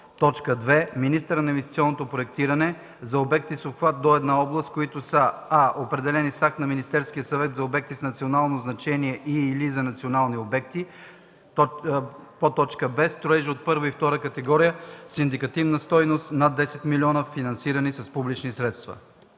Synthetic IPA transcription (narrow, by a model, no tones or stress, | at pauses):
t̪ɔt͡ʃkəd̪vɛminist̪əɾənɐinvɛst̪i̥t̪siɔnːot̪opɾoɛkt̪iɾɐnɛ | zɐobɛk̚t̪isoxvat̪̚d̪oɛd̪naɔblˠəst̪̚koit̪ʊsəaʔopɾɛd̪ɛlɛnisak̚t̪nɐminist̪ɛɾsk̟ijəsɐvɛt̪zɐobɛk̚t̪isnɐt̪sionalˠnoznɐt͡ʃɛniɛʔilizɐnɐt̪sionalˠniobɛkt̪i | pot̪ɔt͡ʃkəbɛst̪ɾoɛʒiot̪̚pɤɾvəift̪ɔɾəkɐt̪ɛɡɔɾijəsind̪ikɐt̪ivnəst̪ɔjnost̪nad̪ːɛsɛt̪miliɔnəfinɐnsiɾənisɐspublit͡ʃnisɾɛt̪st̪və̰